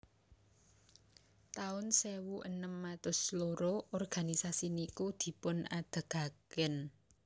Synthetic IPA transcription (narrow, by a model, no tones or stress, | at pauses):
t̪aʊnsewuʔənəmːat̪ʊsloɾoʔɔrɡ̥a̤nisasinikud̪̥i̤pʊna̰d̪̥ə̤ɡ̥a̤kɪn